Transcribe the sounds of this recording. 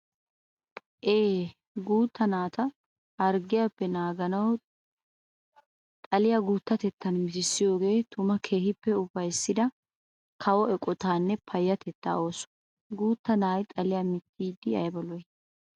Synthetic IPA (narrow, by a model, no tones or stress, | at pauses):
ʔeː | ɡuːt̪ːɐnaːt̪ɐ | hɐɾɡɪjapːɛnaːɡɐnɐw | t̪ʼɐlɪjaɡuːt̪ːɐt̪ɛt̪ːɐnmɪt̪ɪsːɪjo̞ːɡe̞ːt̪ʊmɐkʰe̞ːɦɪpːɛʊbɐjsːɪd̪ɐ | kʰɐwɔɛkʼɔt̪aːnːɛpʰɐjːɐt̪ʰɛt̪ːa̰ːo̞ːsɔ̥ | ɡuːt̪ːɐnaːjt̪ʼɐlɪjamɪt̪ʰːiːd̪ɪɐ̰jbɔlɔjɛ